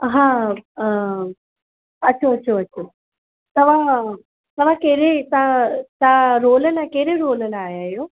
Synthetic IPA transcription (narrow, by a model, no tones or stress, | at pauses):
ɦãː | ɐtːʃʰoɐtːɕʰoɐtːʃʰo | t̪ɐʋ̤ã | t̪ɐʋ̤ãkeːɾet̪ãt̪ãɾoːlənakeːɾeɾoːlənaːjaːjoː